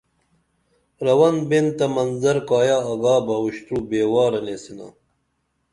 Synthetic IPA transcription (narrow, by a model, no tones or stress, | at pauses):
ɾɐwɐnbent̪ɐmɐnzɐɾkaːjaːɐɡaːbɐwuɕt̪ɾubeːwaːɾɐneːsina̰